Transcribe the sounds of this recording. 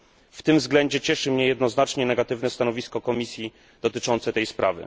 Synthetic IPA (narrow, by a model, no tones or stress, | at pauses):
ft̪ɘmvzɡlɛɲd͡ʑɛt͡ɕɛʂɘmɲɛjɛd̪nɔznat͡ʂɲɛnɛɡat̪ɘvnɛst̪anɔvʲiskɔkɔmʲisʲji | d̪̥ɔt̪ɘt͡ʂɔnt̪sɛt̪ɛjspɾʔa̰vɘ̰